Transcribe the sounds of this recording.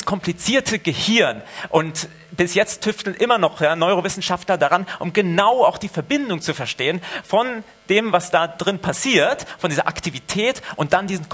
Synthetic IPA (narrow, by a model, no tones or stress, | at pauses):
skʰɔmplit͡siːɐtʰəɡəhɪɐnʔʊnt | b̥ɪsjɛt͡stʰːʏftl̩nʔɪmɐnɔχjaːnɔʏʁovɪsn̩ʃaftlɐdaʁanʔʊ̰mɡənaʊaʊxd̥iːfɛɐbɪndʊŋt͡sufɛɐʃteːənfɔn | d̥eːmvasd̥aːdʁɪnpʰasiːɐtfɔndiːzɐ̰ʔa̰ktʰivitʰɛːtʔʊnt̚d̥andiːzn̩k